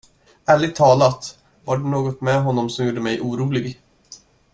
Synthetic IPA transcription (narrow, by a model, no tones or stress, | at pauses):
æːɭɪɡ̚t̪ʰːɑːlat̪ | vaɖɵnoːɡɔt̪mɛɦɔnːɔmsɔmjuːɖːəmɛjʔuːɾuːlɪɡ